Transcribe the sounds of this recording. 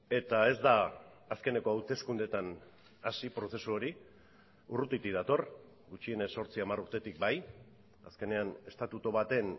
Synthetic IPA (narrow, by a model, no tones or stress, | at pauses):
e̞t̪ae̞zd̪aːske̞ne̞ko̞awt̪e̞skund̪e̞t̪an | asipɾo̞se̞suoɾi | urut̪it̪iðat̪o̞r | ɡut͡ʃie̞neso̞ɾt͡siamaruɾt̪e̞t̪ik̚baj | a̰ske̞ne̞ane̞st̪at̪ut̪oβat̪e̞n